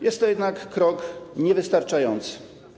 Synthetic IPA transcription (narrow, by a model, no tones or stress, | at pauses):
jɛst̪ːɔjɛd̪nakːɾɔkɲɛvɘst̪aɾt͡ʂajɔnt̪sɘ̥